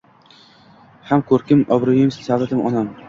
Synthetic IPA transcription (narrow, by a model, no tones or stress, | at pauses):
hamkʰɵɾkʲɪmɒbɾʊjɪmssavat̪ʰɪmɒ̰nam